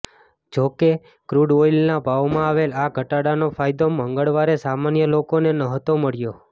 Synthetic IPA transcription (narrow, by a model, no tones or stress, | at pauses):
d͡ʒoke | kɾuɽʋoilnabʱaʋmãaʋelaɡʱəʈaɽanofʰajd̪oməŋɡəɭʋaɾesamanjəlokonenəɦt̪oməɭjo